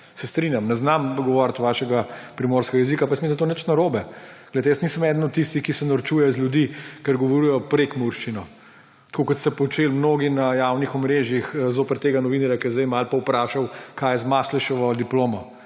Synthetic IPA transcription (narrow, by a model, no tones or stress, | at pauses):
sɛst̪ɾinjamnɛznamɡɔʋɔɾt̪ʋaːʃɛɡapɾimoːɾskɛɡajɛzikapɐajəsmisnt̪onət͡ʃnɐɾoːbɛɡ̥lejt̪ɛjəsniːsəmɛːd̪nɔt̪t̪ːist̪ixkisɛnɐɾt͡ʃuːjɛzljud̪iːkəɾɡɔʋɔɾujɔpɾekmuɾʃt͡ʃinɔ | t̪kokɔt̪st̪ɛpɔt͡ʃeːlmnoːɡinɐjawnixɔmɾeːʒjixzoːpɛɾt̪eɡanɔʋiːnɐɾjakjɛzd̪ɛjmalpɐwpɾaːʃawkʰaːjɛzmaʃlɛʃɛʋɔd̪iploːmɔ